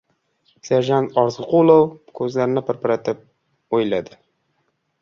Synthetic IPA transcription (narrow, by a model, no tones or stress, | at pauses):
saɾʒant̪ɒɾzɨqʰolˠɒwkʰɵzlaɾɪnɪpʰɾpaɾat̪ʰɪp̚ | ojlad̪ɪ